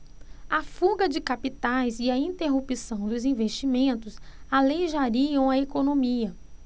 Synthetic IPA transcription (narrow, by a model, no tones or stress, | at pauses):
afuɡɐd͡ʒɪkapit̪ajzɪɐĩnt̪eɦupisɐ̃w̃d̪ʊzĩveʃt͡ʃimẽnt̪ʊsalejʒaɾiɐ̃w̃ɐekonõmiɐ